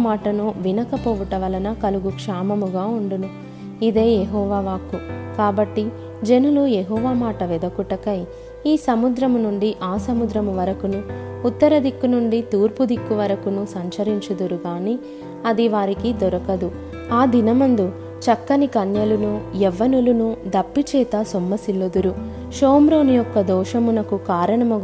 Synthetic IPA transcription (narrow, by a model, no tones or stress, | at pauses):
maːʈɐnuʋinɐkɐpoːʋuʈɐʋɐlɐnɐkɐluɡukʂaːmɐmuɡaːuɳɖunu | id̪e̞ːjeɦɔːʋaːʋaːkukaːbɐʈːi | d͡ʒenulujeɦɔːʋaːmaːʈɐʋɛd̪ɐkuʈɐkɐj | iːsɐmud̪ɾɐmunuɳɖiʔaːsɐmud̪ɾɐmuʋɐɾɐkunuː | t̪ːɐɾɐd̪ikːunuɳɖit̪uːɾpud̪ikːuʋɐɾɐkunusɐɲt͡ʃɐɾiɲt͡ʃud̪uɾuɡaːni | ɐd̪iʋaːɾikid̪ɔɾɐkɐd̪u | aːd̪inɐmɐnd̪u | t͡ʃɐkːɐnikɐnjɐlunujɛʋːɐnulunud̪ɐpːit͡ʃɛːt̪ɐsomːɐsilːud̪uɾu | ʃoːmɾo̞ːnijɔkːɐd̪ɔːʃɐmunɐkukaːɾɐɳɐmu